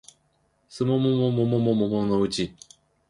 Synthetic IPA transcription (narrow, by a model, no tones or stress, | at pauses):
sɨmomomomomomomomonoɯ̟t͡ɕi